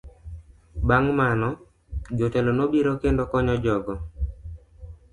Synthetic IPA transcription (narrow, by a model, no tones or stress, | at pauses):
baŋmanɔ | d͡ʒotɛlonobiɾokendokɔɲɔd͡ʒɔɡɔ